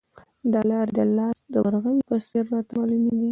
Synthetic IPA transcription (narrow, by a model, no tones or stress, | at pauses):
d̪ɑlɑɾd̪əlːɑsd̪əwaɾɣanpəseɾːɑt̪aɑlumeɡi